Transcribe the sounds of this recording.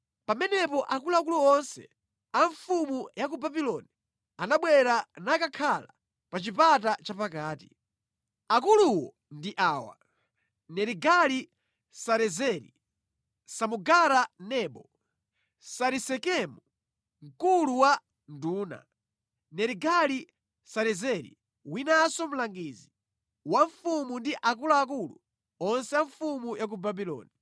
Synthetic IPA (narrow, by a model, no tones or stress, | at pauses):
pamɛnɛpɔʔakulak̬uluɔnsɛ̰ | aɱfumujak̬ubabilɔni | anaɓwɛɾanakakʰala | pat͡ʃipat̬at͡ʃapakaːtḭ | akuluwɔ | ndiʔaːwa̰ | nɛɾiɡali | saɾɛzɛɾḭ | samuɡaɾanɛːɓɔ | saɾisɛkɛmu | ŋ̩kuluwa | nduːna̰ | nɛɾiɡali | saɾɛzɛɾḭ | winasɔm̩laŋɡiːzi | waɱfumundiʔak̬ulaːk̬ulu | ɔnsɛaɱfumujak̬ubabilɔ̰ːni